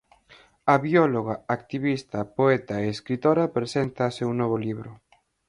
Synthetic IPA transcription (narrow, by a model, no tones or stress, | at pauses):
ɐβiɔloɣaak̚t̪iβist̪ɐpoɛt̪aeːskɾit̪oɾɐpɾesent̪asewnɔβoliβɾʊ